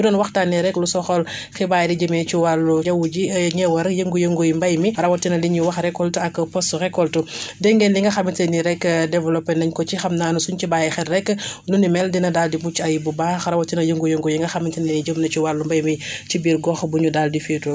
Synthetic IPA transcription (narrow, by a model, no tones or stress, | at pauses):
judɔːnwɐxtaniɾɛkːlusɔxɔl | xibaːjɛdiɟəmɛt͡ʃiwalːujɐwud͡ʒiɲɛwɐɾjəŋɡujəŋɡojimbajmixɐɾɐwɔtːinɐliɲiwɐxɾɛkːɔltuɐkːpɔsɾɛkːɔltudɛŋɡɛndiŋɡɐxɐmitɐniɾɛkːdɛvɛlɔpːɛnɐɲkɔt͡ʃixɐmnaːnusunt͡ʃibaːjɛxɛrrɛkːnunimɛldinɐdaːldimut͡ʃːɐjbubaːxɐɾɐwɔtːinɐjəŋɡujoŋɡojiŋɡɐxamitininid͡ʒəmnɐt͡ʃiwalːumbajmit͡ʃibiːɾɡɔxbuɲudaldifitu